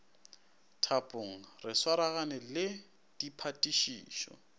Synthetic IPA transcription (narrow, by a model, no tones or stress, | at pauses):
tʰapʼʊŋ̩rɪswaɾaɣanɛlɪ | d̥ipʰatʼiʃiːʃɔ̰